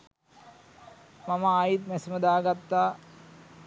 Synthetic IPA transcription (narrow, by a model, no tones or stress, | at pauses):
mamaːjit̪̚mɛsiməd̪aːɡat̪ːaː